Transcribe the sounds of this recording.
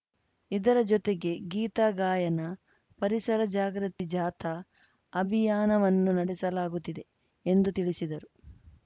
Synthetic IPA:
id̪ɐɾɐd͡ʒɔt̪e̞ɡe̞ɡiːt̪aːɡaːjɐnɐ | pɐɾisɐɾɐd͡ʒaːɡɾɐt̪ːid͡ʒaːt̪ʰɐː | bʱijaːnɐʋɐnːunɐɽɛsɐlaːɡut̪ːid̪e̞ | end̪ut̪iɭisid̪ɐɾu

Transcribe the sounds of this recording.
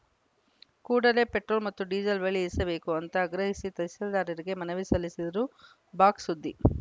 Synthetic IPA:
kuːɽɐle̞peʈɾo̞ːlmɐt̪ːuɖiːd͡ʒɐlʋeɭisɐbe̞ːkuɐnt̪ɐːɡɾɐɦisit̪ɐjsɐld̪aːɾɐɾiɡe̞mɐnɐʋisɐlːisid̪ɐɾu | baːksud̪ʱːi

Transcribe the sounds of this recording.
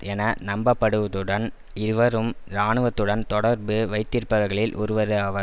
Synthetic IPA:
ɛnɐnɐmbɐpːɐɽɯʋɐðɯɽɐn | ɪɯʋɐɾɯmɾaːɳɯʋɐt̪ːɯɽɐnt̪ɔɽɐɾbɯʋɐɪt̪ːɪɾpɐɣɐɣɐɭɪlʔɔ̰ɾɯʋɐɾɯɐʋɐ

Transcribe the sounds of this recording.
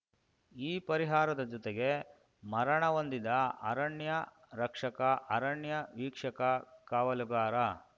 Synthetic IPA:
iːpɐɾiɦaːɾɐd̪ɐd͡ʒɔt̪eɡe̞ | mɐɾɐɳɐʋond̪id̪ɐɐɾɐɳjɐ | ɾɐkʂɐkɐʔɐɾɐɳjɐʋiːkʂɐkɐkaːʋɐluɡaːɾɐ

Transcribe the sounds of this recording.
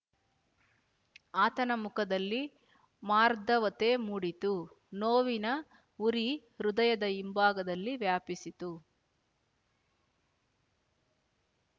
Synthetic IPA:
aːt̪ɐnɐmukɐd̪ɐlːi | maːɾd̪ɐʋɐt̪emuɽit̪u | noːʋinɐ | uɾi | ɾud̪ɐjɐd̪ɐimbaːɡɐd̪ɐlːiʋjaːpisit̪u

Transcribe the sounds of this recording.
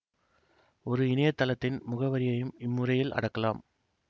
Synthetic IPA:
ɔɾɯɪnɐjɐt̪ːɐlɐt̪ːɪnmʊɣɐʋɐɾɪjɐjɯmɪmːɯrɐjɪlɐ̰ɽɐkːɐlaːm

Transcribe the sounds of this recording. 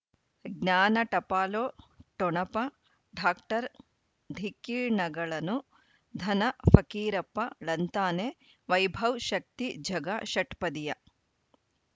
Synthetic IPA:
ɡnaːnɐʈɐpaːloːʈɔɳɐpɐ | ɖʱaːkʈɐɾ | d̪ʱikiːɾɳɐɡɐɭɐnu | d̪ʱɐnɐfɐkiːɾɐpːɐlɐnt̪aːne | ʋɐjbʱɐwʃɐk̚t̪id͡ʒʱɐɡaʃɐʈpɐd̪ijɐ

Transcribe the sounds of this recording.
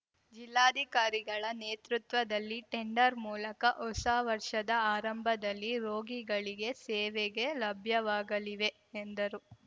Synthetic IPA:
d͡ʒilːaːd̪ʱikaːɾiɡɐɭɐneːt̪ɾut̪ʋɐd̪ɐlːiʈeɳɖɐɾmuːlɐkɐʔɔsaːʋɐɾʂɐd̪ɐaːɾɐmbʱɐd̪ɐlːiɾo̞ːɡiɡɐɭiɡe̞sɛːʋeɡe̞lɐbʱjɐʋaːɡɐliʋe̞ | end̪ɐɾu

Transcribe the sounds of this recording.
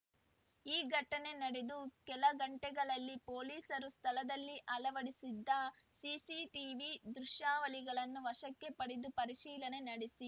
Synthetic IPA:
iːɡʱɐʈːɐne̞nɐɽed̪ukɛlɐɡɐɳʈɛɡɐɭɐlːipoːliːsɐɾust̪ʰɐlɐd̪ɐlːiʔɐlɐʋɐɽisid̪ːɐsisiʈiːʋid̪ɾuʃjaːʋɐliɡɐɭɐnːuʋɐʃɐkːe̞pɐɽid̪upɐɾiʃiːlɐne̞nɐɽisi

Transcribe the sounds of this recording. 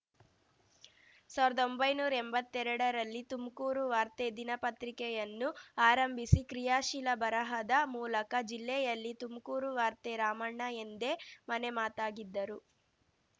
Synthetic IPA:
saːʋiɾɐd̪o̞mbɐjnuːɾɐɛmbɐt̪ːɛɾɐɽɐɾɐlːit̪umkuːɾuʋaːɾt̪ed̪inɐpɐt̪ɾikɛjɐnːuaːɾɐmbʱisikɾijaːʃilɐbɐɾɐɦɐd̪ɐmuːlɐkɐd͡ʒilːɛjɐlːit̪umkuːɾuʋaːɾt̪eɾaːmɐɳːɐend̪e̞mɐnemaːt̪aːɡid̪ːɐɾu

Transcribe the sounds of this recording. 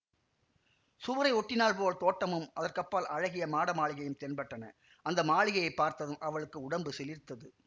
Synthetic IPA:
sʊʋɐɾɐɪɔʈːɪnaːlpoːlt̪oːʈːɐmɯmʔɐðɐrkɐpːaːlʔɐɻɐɣɪjɐmaːɽɐmaːɭɪɣɐjɯmt̪ɛnpɐʈːɐnɐ̰ | ʔɐnd̪ɐmaːɭɪɣɐjɐɪpːaːɾt̪ɐðɯmʔɐʋɐɭɯkːɯʊɽɐmbɯsɛlɪɾt̪ːɐðɯ

